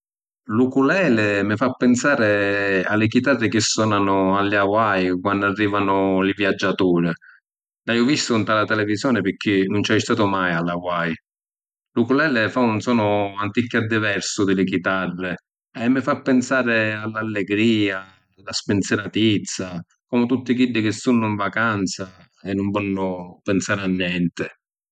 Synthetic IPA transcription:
lukulɛːlɪmɪfapːɛnsaːɾɪa̰lɪkit̪arːɪk̟ɪsːɔːnanʊalːjawajkwandarːiːvanʊlɪvjad͡ʒːat̪uːɾɪ | lajʊvist̪ʊnt̪alat̪ɛlɛvizjɔːnɪpɪk̟ʰːɪnʊnt͡ʃɛjst̪aːt̪ʊmajalːawaj | lʊkulɛlɛfaunsɔːnʊant̪ikːad̪ːɪvɛɾsʊd̪ɪlɪk̬it̪arːɪ | ɛmːɪfapːɪnsaːɾɪalːalːɛɡɾiːa | laspɪnt̪sɛɾat̪it̪sːa | kɔmʊt̪ut̪ːɪkilːɪk̟ɪsːunːʊiɱvakant̪sa | ɛnːʊɱvɔnːʊpɛnsaːɾanːjɛnt̪ɪ

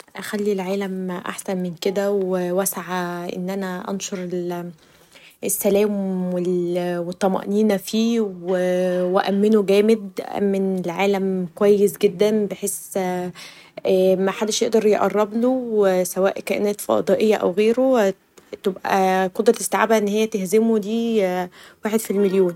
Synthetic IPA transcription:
ʔæxælːilʕaːlæmʔa̰ħsænmenked̪æwewæsʕaʔḛnːʔænæʔɑ̰nʃoɾˤel | esːælæːmwelwet̪ˤːɑmɑ̰ʔniːnæfiːwwewæʔæmːenoɡæːmed̪ʔæ̰ʔæ̰mːenelʕaːlæmkwæjːesɡed̪ːænbeħeːs | æmæħad̪ːeʃjeʔd̪ɑɾˤjeʔɑ̰rˤːɑblowesæwæ̰ːʔkæʔḛnæːt̪fɑ̰d̪ˤɑʔejːæʔæ̰wɣeːɾo | t̪ebʔæ̰qod̪ɾˤɑlest̪eʕaːbæʔenːhejːæt̪ehzemod̪iː | waːħed̪filmeljoːn

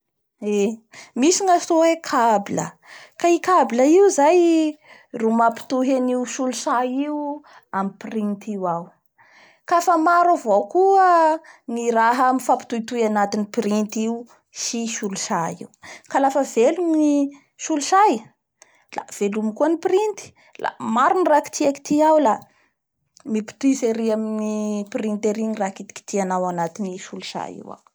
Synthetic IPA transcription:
emisiŋast̪oekʰabilə̰ | kaikabiləiuzaj | rumapi̥t̪uɦaniuʃuluʃaiwu | amipirint̪ʰiwaw | kafəmaɾavowkuəniɾaɦəmifapi̥t̪ujt̪ujanat̪inipɾint̪iu | ʃiʃuluʃajḭwkalafəvelumni | ʃuluʃaj | la̰v̥elumikuəniprint̪i̥ | la̰maɾuniraki̥t̪ʰiaki̥t̪ʰiawla | mipi̥t̪izeɾiaminiprint̪eɾiɲirakit̪i̥ki̥t̪ʰianawanat̪iniʃuluʃa̰jḭwa̰w

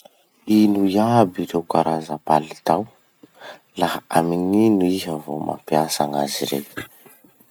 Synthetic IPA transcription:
inujabiɾewkaɾazəpalit̪aw | laaamininuiɦavoma̰mpiasaŋa̰ziɾḛj

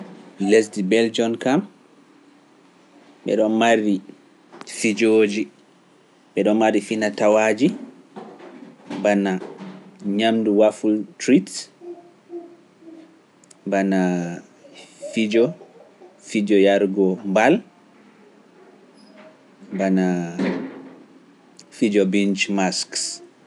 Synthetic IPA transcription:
lesdibɛld͡ʒɔnkam | ɓɛ̰ɗɔnmaɾi | fid͡ʒod͡ʒi | ɓɛɗɔnmaɾifinatawad͡ʒi | bana | ɲamduwafultɾit | bana | fid͡ʒɔ | fid͡ʒɔjaɾɡɔmbal | bana | fid͡ʒɔbint͡ʃmasks

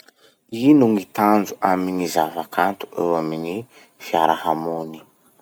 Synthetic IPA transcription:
inuŋit̪and͡zuʔaminizavakant̪u̥ʔḛwamini | fiaɾahamoni

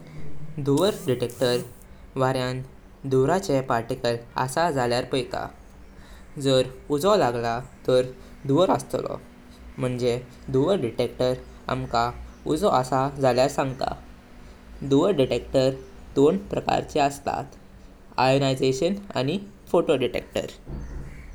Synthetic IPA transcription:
d̪uʋəɾɖiʈek̚ʈəɾ | ʋaɾjãn | d̪uɾat͡ɕepaɾʈikəla̰sad͡zaljaɾpəjka̰ | d͡zəɾud͡zɔlaɡlat̪əɾ | d̪uʋəɾə̰st̪lɔ̰ | m̤əɳd͡ze | d̪uʋəɾɖiʈekʈəɾ | a̰mkaṵd͡zɔəsad͡zʱaljaɾsãŋɡt̪a̰ | d̪uʋəɾɖiʈek̚ʈəɾd̪onpɾəka̰ɾt͡ɕɛəst̪a̰t̪ | a̰jonajd͡zeɕəna̰ñifoʈoɖiʈḛk̚ʈə̰ɾ

